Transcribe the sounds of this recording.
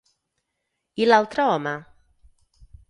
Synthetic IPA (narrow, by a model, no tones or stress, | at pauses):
ilalt̪ɾaɔma